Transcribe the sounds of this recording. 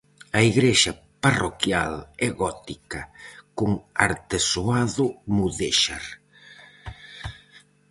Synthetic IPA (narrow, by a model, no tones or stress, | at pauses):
ɐiɣɾeʃɐ | parokjalɛɣɔt̪ikɐkoŋa̰ɾt̪esoaðʊmuðeʃaɾ